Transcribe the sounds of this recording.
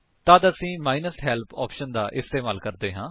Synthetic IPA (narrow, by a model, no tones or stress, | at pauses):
t̪aːd̪əsĩːmaːinəsɦɛːlpʰɔ̰ːpʃənd̪aːʔɪst̪eːmaːlkəɾd̪eːɦãː